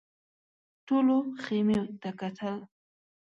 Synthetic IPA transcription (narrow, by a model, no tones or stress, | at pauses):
ʈoloxemeot̪akat̪ʰəl